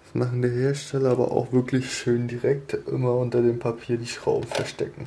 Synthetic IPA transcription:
smaχn̩diːɐheːɐʃtʰɛlɐaːbɐ̰ʔa̰ʊxv̥ɪɐklɪçʃøːndiʁɛk̚tʔɪ̰mɐʊntɐdeːmpʰapʰiːɐdiːʃʁ̥a̰ʊbm̩fɛɐʃtʰɛ̰kŋ̩

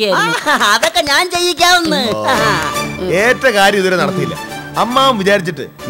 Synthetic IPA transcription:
aɐðokːe̞ɲaːnt͡ɕe̞jːik̬ʲːaːunːɨ | e̞ːtːɐkaːɾjɐmiðuɾenɐɽɐt̪ːijilːɐ̰ | ɐmːaːumʋit͡ɕaːɾit͡ɕːiʈːɨ̰

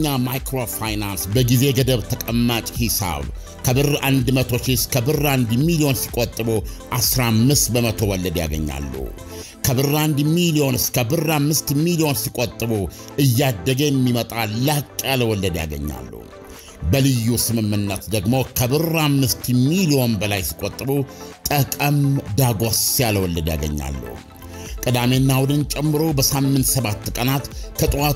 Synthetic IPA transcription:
amajkɾofajnansbəɡize̞ɡəd̪əβt̪ʰəkʼəmːat͡ʃʼhisa̰β | kʰəbɨrʔand̪mət̪ʰo̞ʃiskʰəbɨrand̪milio̞nsi̥kʼot̪ʼːɨboʔasɾamːɨst̪bəmət̪ʰo̞wɔlːəd̪ja̰ɡə̰ɲːa̰lːə̰hu | kʰəbɨrand̪milio̞nskəbɨrːamːɨst̪milio̞nsikʼːot̪ʼːɨbo | ɨjːad̪ːəɡəjɛmːimət̪ʼalːakʼːjaləwɔlːəd̪ja̰ɡə̰ɲːa̰lːə̰hu | bəlɨjːusɨmɨmːɨnːət̪d̪əɡmo̞kʰəbɨramːɨst̪milio̞nbəlajsi̥kʼːot̪ʼːbut̪ʼəkʼəmd̪aɡʷasjaləwɔlːəd̪ja̰ɡə̰ɲːa̰lːə̰hu | kʼɨd̪amenːawd̪ɨnt͡ʃʼɛmːɨɾo̞bəsamːɨnt̪səβat̪ːkʼənat̪kʰət̪ʼwa

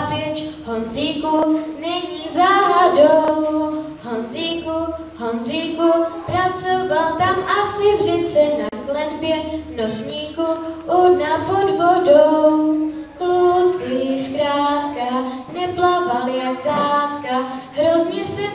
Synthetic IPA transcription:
vɛt͡ʃhonziːkunɛɲizaːɾadow | ɦonziːku | ɦonziːkupɾat͡sovalt̪amasɪvrɛt͡sɛnaklɛnbjɛt̪nosɲiːkuʔunapod̪vodow | klusɪskɾaːt̪kanɛplavaljakzaːtkaɦɾozɲɛsɛ

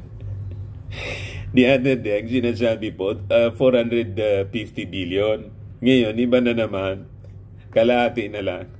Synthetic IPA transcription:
d̪iʔad̪ɛɾd̪ɛɐŋsɪnasaːbɪpoafoɾhand̪ɾɛd̪fift̪ɪbiljon | ŋɐjo̞nɪbanɐnɐman | kɐlaːt̪ɪʔnɐlaŋ

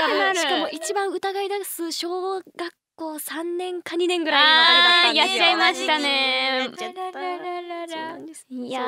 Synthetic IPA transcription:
ɾkamoːʔit͡ɕibãɰ̃ɯ̟t̪aɡaid̪asɨɕo̞ːɡakːo̞ːsãnːẽ̞ŋkʰaɲ̟inẽ̞ŋɡɯ̟ɾaijaaimaɕi̥t̪ane̞ | ja

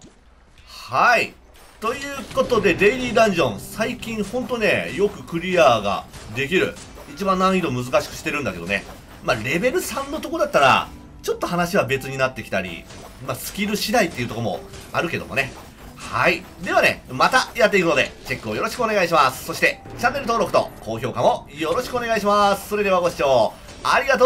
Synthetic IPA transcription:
hai | t̪o̞jɯ̟ːko̞t̪o̞d̪e̞d̪e̞iɾʲiːd̪ãɲ̟d͡ʑõ̞ɰ̃saikʲĩɰ̃hõ̞nt̪o̞ne̞jo̞kɯ̟kɯ̟ɾʲiaːɡa̰d̪e̞k̬ʲiɾɯ̟̰ | it͡ɕibãnːãɰ̃id̪o̞mɯ̟zɨkaɕi̥kɯ̟̥ɕi̥t̪e̞ɾɯ̟̃nd̪ake̞d̪o̞ne | maɾe̞be̞ɾɯ̟sãnːo̞t̪o̞ko̞d̪at̪ːaɾa̰ | t͡ɕo̞t̪ːo̞hanaɕiβ̞abe̞t͡sɨɲ̟inat̪ːe̞kʲi̥t̪aɾʲḭ | masɨ̥kʲiɾɯ̟ɕid̪ait̪ːeiɯ̟t̪okomo̞̰aɾɯ̟ke̞d̪o̞mone̞ | hai | d̪e̞β̞ane̞̰mat̪ajat̪ːe̞ikɯno̞d̪e̞̰t͡ɕe̞kːɯo̞jo̞ɾo̞ɕi̥kɯo̞ne̞ɡaiɕ̬imasɨ̥so̞ɕi̥t̪e̞t͡ɕanːeɾɯt̪o̞ːɾo̞kɯ̥t̪o̞̰ko̞ːço̞ːkamo̞jo̞ɾo̞ɕi̥kɯo̞ne̞ɡaiɕ̬imasɨ̥so̞ɾe̞d̪e̞βaɡo̞ɕi̥t͡ɕo̞ː | aɾʲiɡat̪o

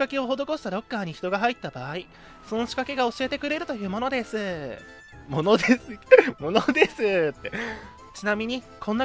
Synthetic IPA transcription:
kake̞o̞ɦo̞d̪o̞ko̞ɕi̥t̪aɾo̞kːaːɲ̟içi̥t̪o̞ɡaɦait̪ːabaːi | so̞no̞ɕi̥kake̞ɡao̞ɕie̞t̪e̞kɯ̟ɾe̞ɾɯ̟t̪o̞jɯ̟ːmo̞no̞d̪e̞sɨ | mo̞no̞d̪esɨmo̞nod̪e̞sɨt̪ːe̞ | t͡ɕinamʲiɲ̟i | kʰõ̞nːa

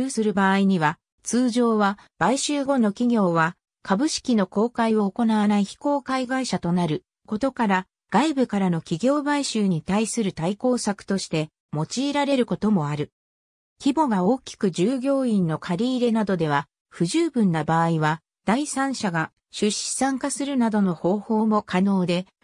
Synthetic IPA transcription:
ɯːsɨɾɯ̟baːiɲ̟iβa | t͡sɨːʑo̞ːβa | b̥aiɕɨːɡo̞no̞kʲiɡʲo̞ːβa | kabɯ̟ɕi̥kʲino̞ko̞ːkaio̞ːko̞naβanaiçi̥ko̞ːkaiɡaiɕat̪o̞naɾɯ̟ | ko̞t̪o̞kaɾa | ɡ̥aibɯ̟kaɾano̞kʲiɡʲo̞ːbaiɕɨːɲ̟it̪aisɨɾɯ̟t̪aiko̞ːsakɯ̟̥t̪o̞ɕi̥t̪e̞ | mo̞t͡ɕiːɾaɾe̞ɾɯ̟ko̞t̪o̞mo̞aɾɯ̟ | kʲibo̞ɡao̞ːkʲi̥kɯ̟ʑɨːɡʲo̞ːĩnːo̞kʰaɾʲiːɾe̞nad̪o̞d̪e̞β̞a | ɸɯ̟ʑɨːbɯ̟̃nːabaːiβa | d̪̥aisãɰ̃ɕaɡa | ɕɨɕi̥sãŋkasɨɾɯ̟nad̪o̞no̞ho̞ːho̞ːmo̞kano̞ːd̪e̞

